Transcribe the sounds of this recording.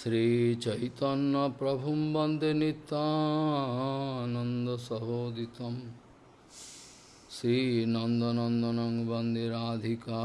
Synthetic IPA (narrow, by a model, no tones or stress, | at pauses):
sɾiːt͡ʃɐjt̪ɐnːɐpɾɐbʱumbɐnd̪enit̪ːaː | nɐnd̪ɐsɐɦoːd̪it̪ɐm | sɾiːnɐnd̪ɐnɐnd̪ɐnɐŋbɐnd̪iɾaːd̪ʱikaː